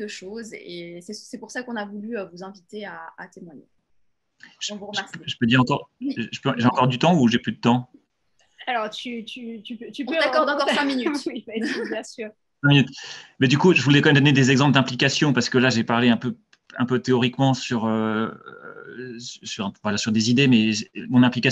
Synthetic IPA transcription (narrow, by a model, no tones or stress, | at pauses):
əʃozesɛsɛpuʁsakɔ̃navulyøvuzɛ̃vit̪eaːt̪emwaɲḛ | ʒ̃uʁʒmɛʒəpød̪iʁɑ̃kɔʁʒəpøʒeɑ̃kɔʁd̪yt̪ɑ̃uʒeplyd̪ət̪ɑ̃ | alɔʁt̪yt̪yt̪ypøt̪ypɔ̃øakɔʁd̪ɑ̃kɔʁɛ̃minytibjɛ̃syʁ | sɛ̃minyt̪bɛd̪ykuʒəvulɛkɑ̃mɛmd̪ɔned̪ezɛɡzɑ̃pld̪ɛ̃plikasjɔ̃paʁsə̥kəlaʒepaʁleɛ̃pø | ɛ̃pøt̪eɔʁikmɑ̃syʁø | ssyʁɛ̃vwalasyʁd̪ezid̪emɛʒmɔ̃nɛ̃plika